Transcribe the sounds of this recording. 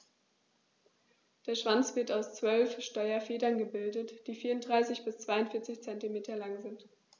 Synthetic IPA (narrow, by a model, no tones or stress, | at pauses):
d̥eːɐʃv̥ant͡sv̥ɪɐtaʊst͡sv̥œlfʃtɔʏɐfeːdɐnɡəbɪldətd̥iːfiːɐʊntd̥ʁaɪsɪçb̥ɪst͡sv̥aɪʊntfɪɐt͡sɪçt͡sɛntimeːtɐlaŋzɪnt